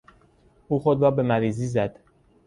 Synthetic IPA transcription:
ʔuːxod̪ɾɒːbe̞mæɾiːziːzæd̪̥

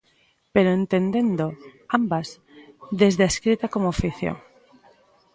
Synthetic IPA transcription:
peɾoent̪end̪e̞nd̪oambaz | ðezðeaskɾit̪akomoafiθjo̰ŋ

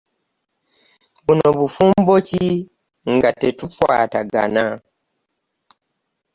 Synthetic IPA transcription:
bunoβufumboci | ŋɡatetukwa̰ːtaɡa̰na

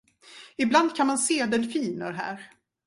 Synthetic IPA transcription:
ɪbland̪̚kʰanmanseːd̪ɛnfiːnəɾɦæ̰ːɾ

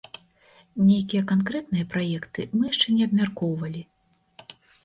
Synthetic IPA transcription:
nʲejkʲijɛkankɾɛt̪nɨjɐpɾajɛkt̪ɨmɨjaʂt͡ʂɛnʲɛɐbmʲarkɔwvɐlʲi

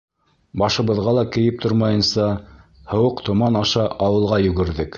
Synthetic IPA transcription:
bɑʃɤ̆βɤ̆ðʁɑlˠɑkɘ̆jɘp̚t̪ʰoɾmɑjɤ̆nsɑhɤ̆wɤqt̪ŏmɑnɑʃɑʔɑwɤ̆lˠʁɑjɵ̆ɡɘ̆ɾðɘk

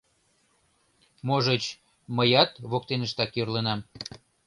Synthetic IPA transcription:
moʒət͡ɕ | məjɑt̪βok̚t̪enəʃt̪ɑkjørlenɑm

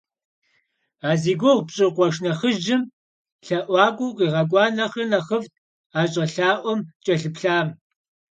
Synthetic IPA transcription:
aːziːɡʷoʁpɕʼɪqʷɔʂnɐχəʒɪm | ɬɐʔʷɑːɡʷʊkʷʼiːʁɐɡʷʼɑːnɐχɐnɐχəft̚ | aːɕʼɐɬaːʔʷɔmt͡ʃʼɐɬɨpɬaːm

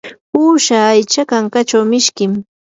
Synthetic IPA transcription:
uːʃaːjt͡ʃakaŋkat͡ʃawmɪʃkɪm

